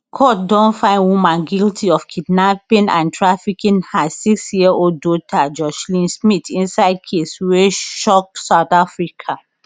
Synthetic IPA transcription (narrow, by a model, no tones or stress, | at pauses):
kʰɔtdɔ̃nfãɪ̃nwumãnɡiltʰiɔfkʰidnapĩnã̰ntʰɹafikĩnhazsiksjiodotʰad͡ʒɔʃlĩnsmitĩnsaɪd̚kʰesweʃɔk̚saʊtafɹikʰa